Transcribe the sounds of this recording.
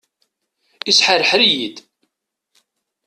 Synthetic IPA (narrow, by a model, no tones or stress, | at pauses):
isħəɾəħɾijid̪